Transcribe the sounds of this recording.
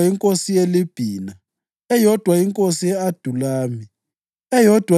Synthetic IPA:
iŋkʼosijelib̥ʱiːna | ɛjɔd̥ʱwaiŋkʼosijɛad̥ʱulaːmi | ɛjɔd̥ʱwa

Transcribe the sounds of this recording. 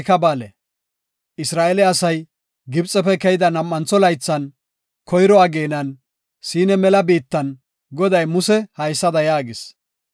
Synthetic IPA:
kɐbaːlɛ | ɪsɾaːʔɛlɛɐsɐj | ɡɪbt͡sʼːɛpɛkɛjɪd̪ɐnɐmːɐnt͡sːɔlɐjt͡sːɐn | kʰɔjɾɔaɡeːnɐn | siːnɛmɛlɐbiːt̪ːɐn | ɡɔd̪ɐjmʊsɛhɐjsːɐd̪ɐjaːɡɪs

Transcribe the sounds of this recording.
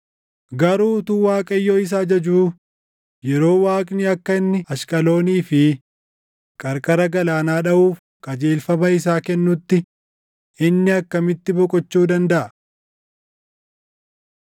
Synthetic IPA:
ɡɐɾuːt̪uːwaːkʼɐjːoːɪs̬aːd͡ʒɐd͡ʒuː | jɛɾo̞ːwaːkʼnɪɐkːɐɪnːɪɐʃkʼɐlo̞ːniːfɪ | kʼɐɾkʼɐɾɐɡɐlaːnaːᶑɐʔuːf | kʼɐd͡ʒeːlfɐmɐɪsaːkɛnːʊt̪ːɪ | ɪnːɪɐkːɐmɪt̪ːɪbɔkʼɔt͡ʃːuːd̪ɐnd̪ɐʔɐ

